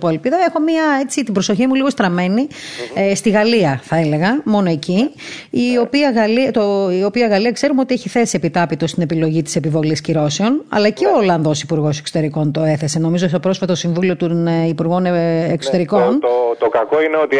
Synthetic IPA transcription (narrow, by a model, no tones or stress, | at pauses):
poelpiðɐexo̞miɐe̞t͡sit̪ibɾo̞so̞çimuliɣo̞st̪ɾɐme̞nist̪iɣɐliɐθɐele̞ɣɐmo̞no̞e̞ciː | o̞piɐɣɐlit̪oio̞piɐɣɐliɐkse̞ɾumeo̞t̪ieçiθe̞sie̞pit̪ɐpit̪o̞st̪ine̞pilo̞ʝit̪i̥sepivo̞lisciɾo̞seo̞nɐ̰lɐceo̞lɐɐnðo̞sipuɾɣo̞se̞kso̥t̪e̞ɾiko̞nt̪o̞e̞θe̞se̞no̞mizosopɾo̞sfɐt̪ɐt̪osiɱvulio̞t̪onipuɾɣo̞nekso̞t̪e̞ɾiko̞nt̪okɐkoineo̞t̪i